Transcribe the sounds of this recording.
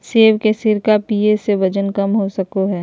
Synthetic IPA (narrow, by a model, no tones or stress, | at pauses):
seːʋkesɪɾkapiːeseʋɐd͡ʒənkɐmɦosɐkoɦɛː